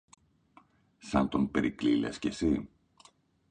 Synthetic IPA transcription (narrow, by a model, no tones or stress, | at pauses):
sɐnt̪onpe̞ɾiklilescesi